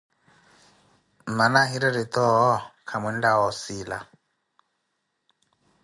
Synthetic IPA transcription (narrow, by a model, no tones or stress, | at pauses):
manaɦiɾɛɾit̪ɔɦɔkʰamwɛn̩daɔsiːla̰